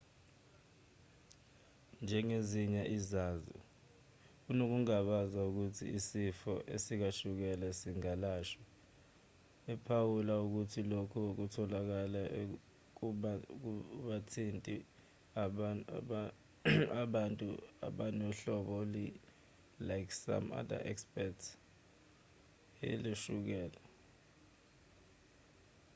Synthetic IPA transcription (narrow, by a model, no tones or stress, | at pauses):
nd͡ʒʱɛŋeziɲaʔizaːzṵ | unok̬uŋaɓazauk̬utʰḭisifɔʔḛsik̬aʃuk̬ɛlɛsiŋalaːʃɔ | ɛpʰawulauk̬utʰilokʰuk̬utʰɔlak̬ala | k̬a | ɓatʰintʼi | aɓantʼua̰ɓanɔɬɔɓɔli | lajksa̰ma̰da̰ʔɛ̰kspɛts | ḛliʃuk̬ɛːla